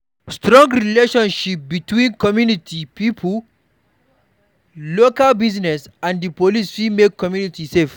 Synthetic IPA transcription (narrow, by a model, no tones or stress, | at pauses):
stɾɔ̃ŋɡɾileʃɔ̃nʃip̚bitwĩnkɔmjunitʰipipʰl | lokalbiznɛsãndipolisfimekɔmjunitisef